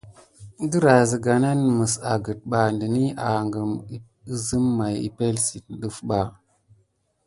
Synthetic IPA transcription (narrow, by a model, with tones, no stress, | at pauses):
də˦ɾa˨zə˨ɡa˨na˦n˨mə˨sa˨ɡə˨t̚ɓa˨ndə˨ni˦a˨ŋɡə˨m˦ | i˦zə˦mːa˨jḭ˨pe˦lsi˨t̚ɗə˦fɓa˨